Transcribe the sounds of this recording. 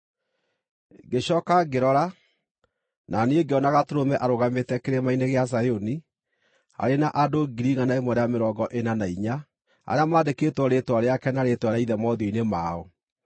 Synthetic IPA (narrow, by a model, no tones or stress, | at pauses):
ɡeɕɔːkaɡeɾɔɾa | naneeɡeɔnaɣatoɾomɛʔaɾoɣametɛkeɾemaineɣeas̬ajoni | a̰ɾenaʔadoɡiɾiɣanaemɔɾeameɾɔːɡɔʔenanaiɲa | a̰ɾeamaːdekeːtwɔɾetwaɾeakɛnaɾetwaɾeaiðɛmɔðjoinemaːɔ